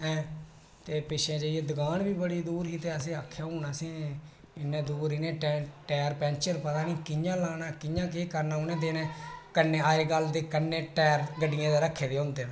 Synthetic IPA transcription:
ɛ̃ː | t̪eːpɪʃẽːd͡ʒəːieːd̪əɡaːɳbiːbəɽiːd̪uːɾɦiːt̪eːəsẽːakʰːjaːɦuːnaːsĩː | ɪnɛ̃ːd̪uːɾɪnẽːɛʈɛːɾpɛ̃ːnt͡ʃəɾpət̪aːniːkɪɲãːlaːnaːkɪɲãːk̬eːkəɾnaːʊnɛ̃ːd̪̬eːnɛ̃ːkənːeːaːeːɡəld̪eːkənːẽːʈɛːɾɡəɖɪjãːd̪eːɾəkʰːeːd̪eːɦõːnd̪ẽː

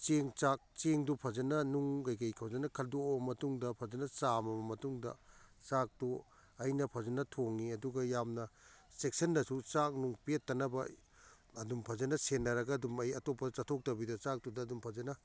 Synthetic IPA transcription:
t͡ʃeŋt͡ʃak̚t͡ʃeŋdupʰɐzɐnɐnuŋɡajkɐjkʰawzɐnɐkʰɐldomɐtuŋdɐpʰɐzɐnɐsamɐmɐmɐtuŋdɐ̰sak̚tu | ɐjnɐpʰɐzɐnɐtʰoŋːiɐduɡɐjamnɐsek̚sɐnːɐsut͡ʃak̚nuŋpietːɐnɐbɐ | ɐdumpʰɐzɐnɐsenːɐɾɐɡɐːdumɐjɐtopːɐt͡ʃatʰok̚tɐbidɐsak̚tudɐːdumpʰɐzɐnɐ

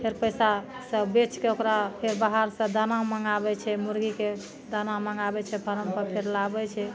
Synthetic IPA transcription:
pʰeɾpəjsasəbet͡ʃkeokɾapʰeɾbaɦaɾsə̃d̪anaoməŋɡabɛt͡ʃʰɛmuɾɡike | d̪anaoməŋɡabɛt͡ʃʰɛpʰəɾəmpəpʰeɾlabɛt͡ʃʰɛ

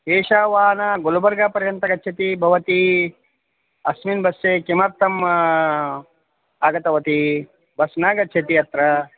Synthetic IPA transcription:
eːʃaːʋaːnaɡolubɐɾɡaːpɐɾjɐnt̪ɐɡɐtːt͡ʃʰɐt̪ibʱɐʋɐt̪i | ɐsminbɐsːeːkemɐɾt̪ʰɐm | aːɡɐt̪ɐʋɐt̪i | bɐsnaːɡɐtːt͡ʃʰɐt̪iɐt̪ɾɐ

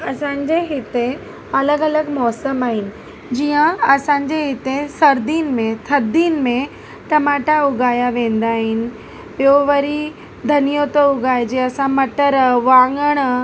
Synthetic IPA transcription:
ɐsãːɲd͡ʑeɦɪt̪e | ɐləɡɐləɡmɔːsəmaːɦɪnɪ̆ | d͡ʑiːə̃ɐsãːɲd͡ʑeɦɪt̪esɐɾd̪iːnmẽt̪ʰɐɾd̪iːnmẽ | ʈɐmaːʈaʊɡaːjaʋẽːn̆d̪aːɦɪnɪ̆ | bijoʋɐɾi | d̪ʱɐnijot̪oʊɡaːjd͡ʑeːɐsãmɐʈəɾʋãːŋɡəɽ̃

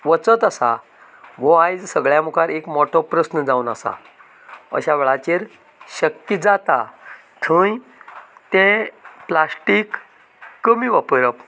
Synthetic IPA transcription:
ʋət͡sət̪əsa | ʋoajd͡zsəɡɭjamukʰaɾekmɔʈʰɔpɾəsnəd͡zaunasa̰ | ə̰ɕaʋɛɭat͡ɕeɾ | ɕəkːid͡zat̪a | t̪ʰə̃j | t̪ẽplasʈikː | əmiːʋəpəɾəp

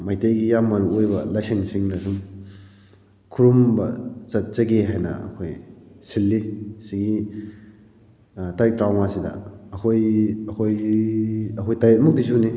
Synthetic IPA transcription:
majteɡijamːɐɾuojbɐlajsiŋsiŋdɐsuŋ | kʰuɾumbɐt͡sɐt̚sɐɡeɦajnɐ̰ɐ̰kʰojsilːisiɡi | tajik̚tɾawmasidɐ̰ɐkʰojɐkʰoj | ɐkʰojtajet̚muk̚dis̬uni

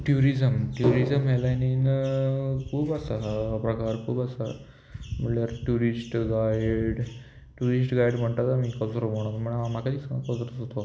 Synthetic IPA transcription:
ʈjuɾizəmʈjuɾizəmɦelanin | kuːbəsapɾəkaɾkuːbəsa̰ | m̤əʈljaɾʈuɾisʈɡajɖ | ʈuɾisʈɡajɽm̤əɳt̪at̪amiːkəwsəɾoboɽ̃apm̤əɳmakat̪iːskəwsəɾəsot̪o

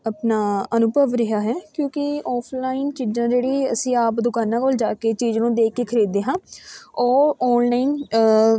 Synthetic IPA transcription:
əpnaːənʊbʱəʋɾəɦaːɦɛːkjõːkɪɔːpʰlaːɪnt͡ʃiːd͡ʒãːd͡ʒeːɽiːəsĩːaːpd̪ʊkaːnãːkoːld͡ʒaːkeːt͡ʃiːd͡ʒnũːd̪eːkːeːkʰəɾiːd̪eːɦãːɔːɔːnlaːɪn

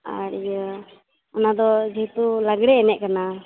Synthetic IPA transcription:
a̰ɾjə | ɔnad̪ɔd͡ʒiɦt̪ulaɡɽɛːnɛʔ̚ˀkana

